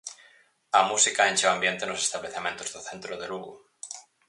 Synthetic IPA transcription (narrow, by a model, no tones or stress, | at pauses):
amusikaent͡ʃewambjent̪eno̞sest̪aβleθemjẽnt̪ozðoθent̪ɾoðeluɣṵ